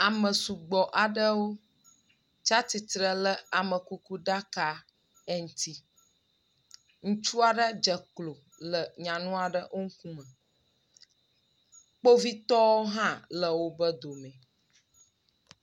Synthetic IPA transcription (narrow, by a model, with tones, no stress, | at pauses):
a˨mə˨su˨ɡ͡bɔ˨ʔa˨ɖə˦wo˦ | t͡ʃa˦t̪i˨t̪ɾə˨lə˦a˨mə˨ku˦ku˦ɖa˦ka˨ | ɛ˦ŋ̩˨t̪i˦ | ŋũ˦t͡ʃu˦a˨ɖə˦d͡ʒə˨klo˨ | lə˨ɲã˨nũ˦a˨ɖə˦ʔo˦ŋ̩˦kũ˦mə̃˨ | k͡po˦vi˦t̪ɔ˦wo˦ɦã˦lə˨wo˦bə˦d̪o˨mɛ̃˨